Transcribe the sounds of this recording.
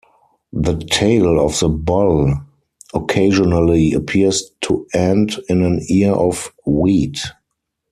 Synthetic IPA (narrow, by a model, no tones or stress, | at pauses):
ðətʰeɪlɔfðəbɔl | ɔkʰeɪʒɔnəliəpʰiəstʰuɛ̃ndɪ̃næ̃niʔɔfwiːt